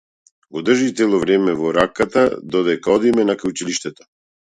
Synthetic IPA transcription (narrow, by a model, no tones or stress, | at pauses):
ɡɔd̪r̩ʒit̪ɛlˠɔvɾɛmɛvɔɾakːat̪ad̪ɔd̪ɛkaɔd̪imɛnakaut͡ʃiliʃt̪ɛt̪ɔ̥